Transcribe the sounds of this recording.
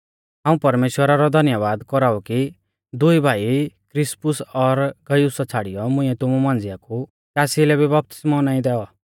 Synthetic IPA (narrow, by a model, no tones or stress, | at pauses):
ɦãːũpɐɾmeːʃwəɾaɾɔd̪ʱɐnjəʋaːd̪kɔɾauki | d̪ʊibʱaːikɾɪspʊsɔɾɡɐjusɔt͡sʰaɽijɔmʊ̃ĩɛt̪ʊmumãːnd͡zɪjaku | kasilɛbibɐp̚t̪ɪ̥smɔnaːĩd̪ɛɔ